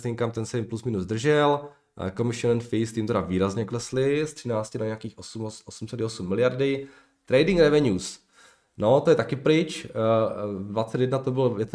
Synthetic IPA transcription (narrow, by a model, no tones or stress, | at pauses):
t̪iŋkamt̪ɛnsɛjɪmplusmɪnuzd̪r̩ʒɛl | komɪʃɪonɛnfist̪ɪmt̪ɛɾaviːɾazɲɛklɛslɪst̪r̥ɪnaːt͡scɪnaɲɛakiːxʔosumʔosumsɛdɪosumːɪlɪjaɾdɪ | t̪ɾɛjdɪŋɡɾɛvɛɲuːs | no̞t̪ojɛt̪akɪpɾɪt͡ʃ | dvat͡sɛt̪jɛdnat̪obɪljɛt̪